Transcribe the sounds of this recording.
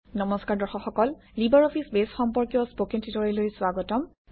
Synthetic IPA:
nɔmɔskaɹdɔɹxɔxɔkɔllibaɹɔpʰisbesxɔmpɔɹkjɔspokentʰitɔɹɔlojswaɡɔtɔm

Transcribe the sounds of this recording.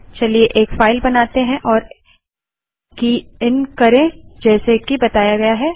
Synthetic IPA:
t͡ʃɐlieʔeːkfaːɪlbɐnaːt̪eɦɛ̃ʔɔːɾ | kiɪnkɐɾẽd͡ʒɛːsekibɐt̪aːjaɡɐjaɦɛː

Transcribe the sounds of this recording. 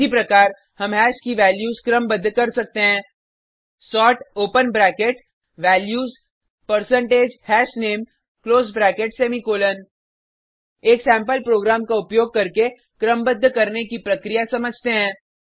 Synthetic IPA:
ipɾɐkaːɾ | hɐmɦɛːskiʋɛːljuːzkɾə̃mbəd̪ʱːkɐɾsɐk̚t̪eɦɛ̃ː | sɔːʈoːpənbɾɛːkeʈ | ʋɛːljuːz | pɐɾsə̃ɳʈeːd͡ʒhɛːsneːm | kloːzbɾɛːkeʈseːmikoːlən | eːksɛ̃ːmpəlpɾoːɡɾaːmkaʊpjoːɡ̚kɐɾke | kɾəmbəd̪ʱːkɐɾnekipɾɐkɾijasɐməd͡ʒʱt̪eɦɛ̃ː

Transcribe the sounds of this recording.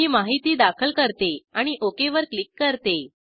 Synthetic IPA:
iːmaɦit̪iːd̪akʰəlkəɾt̪eaɽ̃iʔokeʋəɾklikːəɾt̪e

